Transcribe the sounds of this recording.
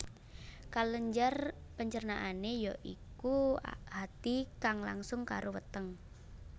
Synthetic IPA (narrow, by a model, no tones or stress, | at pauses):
kaləɲd͡ʒər | pəɲt͡ʃərnaʔanejɔʔikua̰hat̪ikaŋla̰ŋsʊŋkaɾʔowət̪əŋ